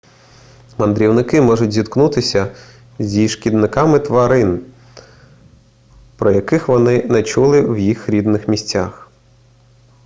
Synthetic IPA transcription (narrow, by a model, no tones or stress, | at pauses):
mɐnd̪ɾʲiwnɪkɪmɔʒʊtʲzʲid̪knut̪ɪsʲɐ | zʲiʃkʲid̪nɪkɑmɪt̪ʋɐɾɪn | pɾɔjɐkɪxʋɔnɪnɛt͡ʃulˠɪwjixɾʲid̪nɪxmʲisʲt͡sʲax